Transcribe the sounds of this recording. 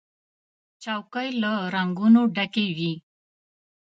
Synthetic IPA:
t͡ʃawkəjlaɾaŋɡunoɖakewi

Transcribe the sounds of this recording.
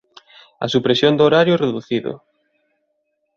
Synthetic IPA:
ɐ̰supɾesjond̪ooɾaɾjʊɛreðuθiðʊ̰

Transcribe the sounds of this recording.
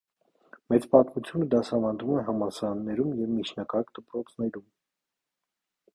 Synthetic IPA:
mɛt͡spɑt̪mut͡sʰjunəd̪ɑsɑvɑnd̪vumɛɦɑmɑsɑɾɑnːɛɾumjɛvmit͡ʃʰnɑkɑkd̪̥əpɾɔt͡sʰnɛɾum

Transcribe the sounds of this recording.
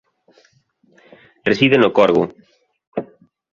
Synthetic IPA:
resiðenokɔɾɣʊ̰

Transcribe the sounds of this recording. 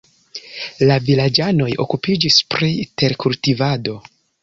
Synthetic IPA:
lavilad͡ʒano̞jo̞̰kupid͡ʒispɾite̞ɾkultivado̞

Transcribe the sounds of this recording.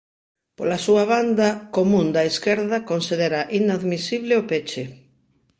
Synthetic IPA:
po̰lasuaβ̞and̪akomũnd̪aeskeɾðakonsiðeɾaʔinaðmisiβlɪopet͡ʃɪ

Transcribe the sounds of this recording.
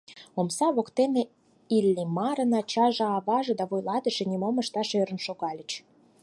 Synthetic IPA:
omsɑβokt̪ene | ilʲːimɑɾənɑt͡ɕɑʒɑ̆ɑβɑʒɤ̆d̪ɑβojlɑd̪ə̆ʃĕnʲimoməʃt̪ɑʃøɾə̆nʃoɣɑlʲə̆t͡ɕ

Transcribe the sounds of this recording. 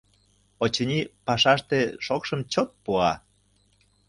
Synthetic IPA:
ot͡ɕənʲipɑʃɑʃt̪eʃokʃəmt͡ɕot̪̚puɑ

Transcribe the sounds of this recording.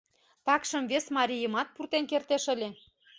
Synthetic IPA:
t̪ɑkʃə̆mvesmɑɾʲijə̆mɑt̪̚purt̪enkert̪eʃə̆lʲe

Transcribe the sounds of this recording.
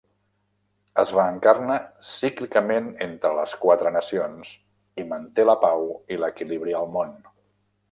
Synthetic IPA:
əzβaəŋkarnasiklikəmenent̪ɾələskwat̪ɾənəsions | imənt̪eləpawiləkiliβɾiəlˠmon

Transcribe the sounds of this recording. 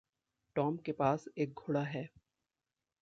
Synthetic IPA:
ʈɔːmkepaːseːk̚ɡʱʊːɽaɦɛː

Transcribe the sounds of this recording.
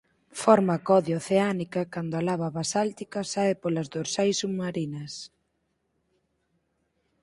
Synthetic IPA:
fɔɾmɐkɔðjoθeanikɐkand̪oalaβɐβasalt̪ikɐsaepolɐzðoɾsajsuβmaɾinɐs

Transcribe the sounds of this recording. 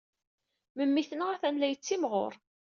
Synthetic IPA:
məmːiθənəʁæθænlæjət͡sːimʁo̰ɾˤ

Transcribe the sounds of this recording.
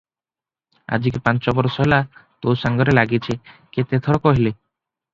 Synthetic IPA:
a̰d͡ʒikpãnt͡ʃɔbɔɾɔsɔɦelat̪owsaŋɡɔɾelaɡit͡ʃʰeket̪et̪ʰɔɾɔkɔɦile

